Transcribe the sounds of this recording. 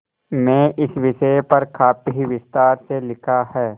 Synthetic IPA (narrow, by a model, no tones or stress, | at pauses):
mɛ̃ːʔɪsʋɪʃəpɐɾkʰaːpɦiʋɪst̪aːɾselɪkʰahɛː